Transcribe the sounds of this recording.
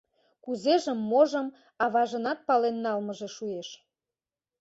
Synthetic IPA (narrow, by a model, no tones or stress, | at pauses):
kuzeʒəmːoʒəm | ɑβɑʒə̆nɑt̪̚pɑlenːɑlməʒeʃueʃ